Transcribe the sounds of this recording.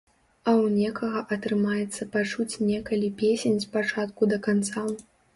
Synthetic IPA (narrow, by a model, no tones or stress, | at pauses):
ɐwnʲɛkɐɣɐʔɐt̪ɾɨmajɛt̪sːɐpat͡ʂut͡sʲnʲɛkɐlʲipʲesʲenʲspat͡ʂat̪̚kud̪ɐkant̪sa